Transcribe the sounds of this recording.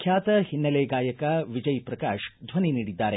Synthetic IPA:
kʰjaːt̪ɐhinːɐleːɡaːjɐkɐʋid͡ʒɐjpɾɐkaːʃd̪ʱʋɐniniːɽid̪ːaːɾe

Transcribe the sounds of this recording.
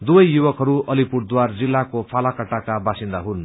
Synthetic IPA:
d̪ubʌjjubʌkɦʌɾuʌlipuɽd̪ward͡zilːakopʰalakʌʈakabasind̪aɦun

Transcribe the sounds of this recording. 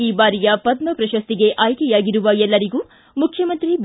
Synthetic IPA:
iːbaːɾijɐpɐd̪̚mɐpɾɐʃɐst̪iɡe̞ʔaːjkɛjaːɡiɾuʋɐɛlːɐɾiɡuː | mukʰjɐmɐnt̪ɾib

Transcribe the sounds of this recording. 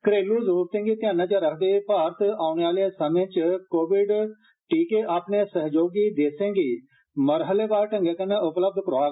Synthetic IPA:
kɾeːluːzɾuːɾt̪ẽːŋɡiːt̪ɪjãːnãːt͡ʃaːɾəkʰd̪eːpaːɾt̪ʰaːʊneːaːlesəmẽːt͡ʃkoːʋɪɖ | ʈiːkeːʔaːpneːsəɦd͡ʒoːɡiːd̪eːsẽːŋɡiː | məɾɦəleːbaːɾʈəŋɡeːkənẽʊpləb̚d̪kɾaːl

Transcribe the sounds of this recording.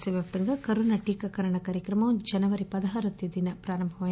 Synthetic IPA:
sɐʋjaːp̚t̪ɐŋɡɐkɐɾunɐʈiːkɐkɐɾɐɳɐkaːɾjɐkɾɐmɐd͡ʒɐnɐʋɐɾipɐd̪ɐɦɐɾɐt̪jɐd̪inɐpɾaːɾɐmbʱɐʋa

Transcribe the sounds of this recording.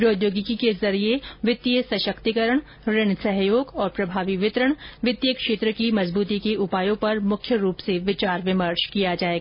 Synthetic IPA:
ɾoːd̪joːɡikikezɐɾieʋɪt̪ːiəsɐʃəkt̪ikəɾəɳ̃ | ɾɪñsɐɦjoːɡɔːɾpɾɐbʱaːʋiʋɪt̪ɾəɽ̃ʋɪt̪jəkʃeːt̪ɾəkimɐzbuːt̪ikeʔʊpaːjõpɐɾmʊkʰjəɾuːpseʋɪt͡ʃaːɾʋɪməɾt͡ʃkijad͡ʒaːeɡaː

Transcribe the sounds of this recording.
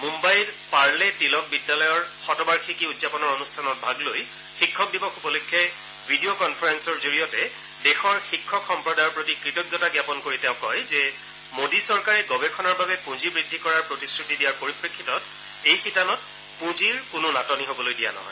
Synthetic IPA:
mumbajlpaɹlɛtilɔk̚bidːalɔjɔɹxɔtɔbaɹxʰikiudzapɔnɔɹonustʰanɔt̚bʱaɡloj | xikʰːɔk̚dibɔxupɔlokʰːɛ | bʱidiokɔnpʰaɹɛnsɔɹzoɹijɔtɛ | dɛxɔɹxikʰːɔkxɔmpɹɔdajɔɹpɹotikɹitɔɡjɔtaɡjapɔnkoɹitɛ̃ʊ̃kɔjzɛ | modisɔɹkaɹɛɡɔbɛkʰɔnaɹbabɛpũzibɹidʱːikɔɹaɹpɹotiskɹitidijaɹpoɹipɹekʰːitɔt | ejxitanɔt̚ | pũziɹkʊnʊnatɔniɦobɔlojdija̰nɔ̰ɦɔ̰j

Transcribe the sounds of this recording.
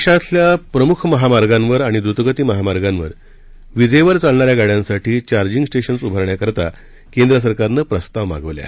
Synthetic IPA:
ʂat̪ʰljapɾəmukʰməɦamaɾɡãnʋəɾaɽ̃id̪ɾut̪əɡət̪iːməɦamaɾɡãnʋəɾ | ʋid͡zəjʋəɾt͡salɳaɾjaɡaɽjãnsaʈʰiːt͡ɕaɾd͡ʑiŋɡsʈeɕənsubʱəɾɳjakəɾt̪a̰ | kend̪ɾəs̬əɾkaɾnəːpɾəst̪aʋma̰ɡəʋlja̰

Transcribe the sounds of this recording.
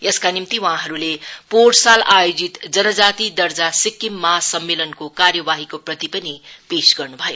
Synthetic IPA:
jʌskanimt̪iwãɦʌɾuleporsalajod͡zit̪d͡zʌnʌd͡zat̪id̪ʌrd͡zasikːimːasʌmːelʌnkokarjʌbaɦikoprʌt̪ipʌnipesɡʌrnubʱʌjo

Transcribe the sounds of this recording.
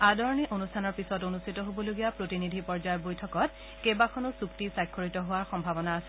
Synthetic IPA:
adʱɔɹniʔonustʰanɔɹpisɔtonustʰitɔɦobɔloɡijapɹotinidʱipɔɹd͡ʒajɔbojtʰɔkɔt̚ | kebakʰɔnɔsuktisajkʰːoɹitɔɦʊwaɹxɔmbʱabɔnaːsɛ

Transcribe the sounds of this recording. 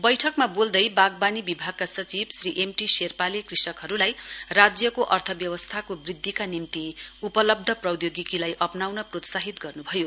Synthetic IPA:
bʌjʈʰʌkmabold̪ʌjbaɡ̚banibibʱaɡ̚kasʌt͡sibsriʔemʈiserpalekrisʌkɦʌɾulajrad͡zjʌkoʔʌrt̪ʰʌbjʌwʌst̪ʰakobrid̪ʱːikanimt̪iupʌlʌb̚d̪ʱʌprʌwd̪joɡikilajʔʌpnawnʌprot̪saɦit̪ɡʌrnubʱʌjo

